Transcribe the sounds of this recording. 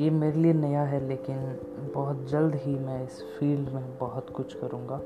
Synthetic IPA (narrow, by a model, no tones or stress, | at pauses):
jemeːɾelienɐjaɦɛleːkɪn | bɔɦʊt̪̚d͡ʒɐld̪ɦimɛ̃ɪs | fiːlɖmẽbɔɦʊt̪kʊt͡ʃʰkɐɾũːŋɡaː